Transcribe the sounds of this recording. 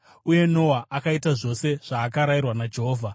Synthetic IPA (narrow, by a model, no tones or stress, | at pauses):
uje̞no̞waʔakaitaʐo̞se̞ʐ̥aːkaɾajirwanad͡ʒe̞ɦoːvʱa